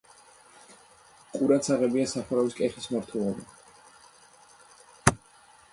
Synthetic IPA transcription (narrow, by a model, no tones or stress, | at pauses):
qʼuɾat̪sʰaʁɛbiasaχuɾaviskʼɛχismaɾt̪ʰwɛlˠɔba